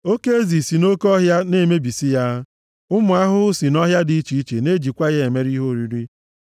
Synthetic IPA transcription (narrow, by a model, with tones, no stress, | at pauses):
o˦ke˦e˦zi˨si˨no˦kɔ˦ɦja˦ne˦˨me˦bi˨si˦ja˦ | ʊ˦mʊ˨a˦ɦʊ˦si˨nɔ˦ɦja˦dɪ˨i˦t͡ʃi˨i˦t͡ʃḛ˨ne˦d͡ʒi˨kʷa˦ɣe˨me˦ɾi˦ɦo˦˨ɾi˦ɾi˦